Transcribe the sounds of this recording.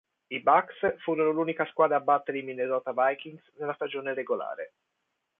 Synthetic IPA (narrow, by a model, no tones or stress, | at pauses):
ibaksfuːɾonoluːnikaskwaːd̪ɾaːbːat̪ːeɾiminezɔːt̪avajkiŋɡsnelːast̪ad͡ʒoːneɾeɡola̰ːɾe